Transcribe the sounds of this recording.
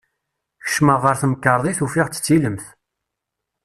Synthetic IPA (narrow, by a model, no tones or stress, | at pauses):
çə̥ʃməʁːəɾθəməkːəɾˤðˤiθufiʁt͡sːə̥t͡sːiləmθ